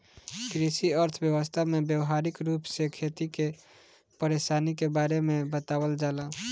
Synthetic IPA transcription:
kɾiʃiəɾt̪ʰbjəwəst̪ʰamẽbjəwɦaːɾɪkɾuːpsekʰeːt̪ike | pəɾeːʃaːnikebaːɾemẽbət̪aːwəld͡ʒaːlaː

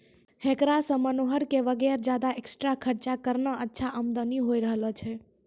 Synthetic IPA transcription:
hekɾasə̃mənoɦəɾkeʋəɡɛɾd͡ʒjad̪aeksʈɾakʰəɾt͡ʃakəɾnəətːʃʰaʔəmd̪əniɦoiɾəɦlət͡ʃʰe

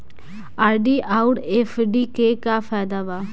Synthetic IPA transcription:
aːɾɖiːʔaːʊʈeːfʰɖiːkeːkafʰɛːd̪aːʋaː

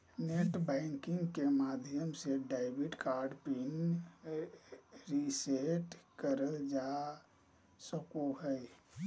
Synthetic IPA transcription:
neʈbaɪŋkiŋɡkemad̪ʱijəmseɖaɪbiʈkaɾɖpin | ɾiseʈkəɾəld͡ʒa | səkoɦəj

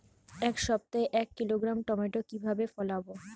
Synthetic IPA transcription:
ɛkʃɔb̚t̪aeʔɛkːiloɡɾamʈɔmeʈokibʱabefɔlabo

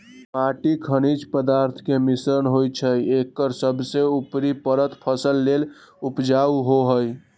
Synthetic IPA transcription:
paʈikʰənid͡ʒpəd̪aɾt̪ʰkemisɾənɦojt͡ʃʰəjekːəɾsəbʱseupɾipəɾət̪pʰəsəlːel | upd͡ʒauɦoɦəj

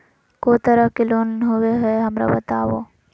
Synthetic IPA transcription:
koːt̪ɐɾəfkeloːnɦʊweɦeɦɐmɾa̰bɐt̪aːʋo̰ː

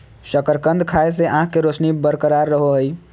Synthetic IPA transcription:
səkəɾkənd̪ʱkʰaeseʔããkeɾosʰnibəɾkəɾaɾːəɦoɦəj

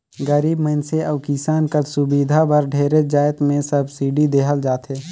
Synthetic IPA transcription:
ɡəɾiːbmənseʔɐwkisaːnkəsʊbiːd̪ʱabɐɾɖʱeːɾed͡ʒaːɪt̪mẽsəbsiːɖid̪eːɦəld͡ʒaːt̪ʰeː

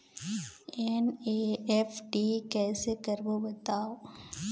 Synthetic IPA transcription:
ɛneɛfʈikɛːsekɐɾbobɐt̪aːo

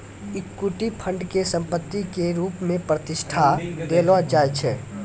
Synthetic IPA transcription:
ɪkːuʈipʰə̃ɳɖkesə̃mpət̪ːikeɾuːpmẽpɾət̪ɪʃʈʰad̪eːlʋad͡ʒaːjt͡ʃʰɛː

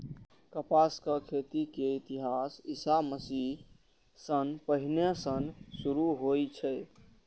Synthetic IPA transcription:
kəpaskəkʰet̪ikeit̪iɦasisaməsi | sənpəɦinesənsuɾuɦojt͡ʃʰɛ

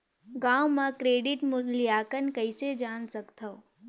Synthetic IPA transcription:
ɡaːwmãkɾeːɖɪʈmʊlijaːkənkəised͡ʒaːnsɐkt̪ʰə

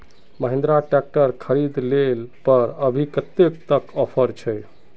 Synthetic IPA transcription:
məɦẽnd̪ɾaʈɛk̚ʈəɾkʰəɾid̪lelpəɾəbʱikət̪ːekt̪əkɔpʰəɾt͡ʃʰɛj

